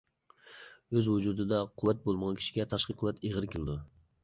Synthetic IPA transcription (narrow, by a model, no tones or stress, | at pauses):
øzhʊd͡ʒuɾd̪ɨd̪ɑqʰʊwːæt̪̚bolˠməʁɑnkʲi̥ʃi̥ɡʲɛt̪ʰɑʃqɨqʰːʊwɛt̪eʁɨɾɪkʲʰɪlˠɪd̪u